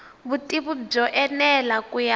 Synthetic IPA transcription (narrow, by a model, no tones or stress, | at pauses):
βutʼiβub͡ʐɔʔɛnɛlakuja